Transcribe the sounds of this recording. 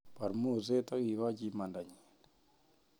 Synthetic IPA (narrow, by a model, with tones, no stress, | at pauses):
pa˨ɾmu˦˨ze˦ta˦ɣi˨βa˦d͡ʒi˦ma˨nda˨ɲin